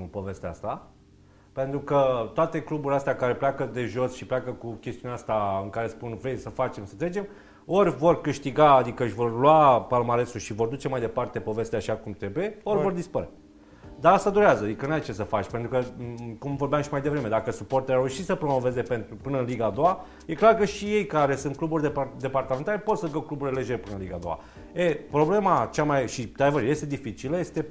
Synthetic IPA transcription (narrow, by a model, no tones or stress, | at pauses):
po̞ve̞st̪east̪a | pe̞nt̪ɾukət̪oat̪e̞klubuɾʲiast̪eakaɾe̞pleakəd̪e̞ʒo̞sʃipleakəkukʲest̪iuneast̪aɨŋkaɾe̞spunvɾejsəfat͡ʃe̞msət̪ɾed͡ʒe̞m | o̞rʲvo̞rkɨʃt̪iɡaːd̪ikəɨʃʲvo̞rlwapalmaɾe̞suʃivo̞rd̪ut͡ʃe̞majd̪e̞part̪e̞po̞ve̞st̪eaʃakumt̪ɾe̞buje̞o̞rʲvo̞rd̪ispəɾe | d̪aast̪ad̪uɾeazəad̪ikənuajt͡ʃe̞səfat͡ʃʲpe̞nt̪ɾukəkumvo̞rbjamʃimajd̪e̞vɾe̞me̞d̪akəsupo̞rt̪elaɾeuʃisəpɾo̞mo̞ve̞ze̞pent̪ɾupɨnəɨnliɡaːd̪o̞wa | je̞klarkəʃije̞jkaɾe̞sɨnt̪̚kluburʲd̪ed̪e̞part̪ame̞nt̪ale̞po̞t̪səlɡawklubuɾʲele̞d͡ʒe̞ɾepɨnənliɡa̰d̪o̞̰a̰ | epɾo̞ble̞mat͡ʃamajʃit̪ad̪vəɾje̞st̪e̞d̪ifit͡ʃiləje̞st̪e̞